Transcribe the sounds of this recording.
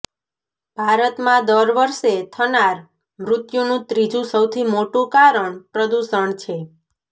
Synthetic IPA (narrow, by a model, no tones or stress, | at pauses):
b̥ʱaɾət̪mãd̪əɾʋəɾset̪ʰənaɾ | mɾʊt̪junũt̪ɾid͡ʒũsəwt̪ʰimoʈũkaɾəɳpɾəd̪uʃəɳt͡ʃʰe